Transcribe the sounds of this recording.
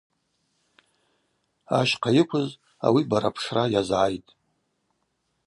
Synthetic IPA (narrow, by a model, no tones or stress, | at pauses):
aʃqʰajɪkʷʰʊz | a̰wibaɾapʰʂrajazʕajtʼ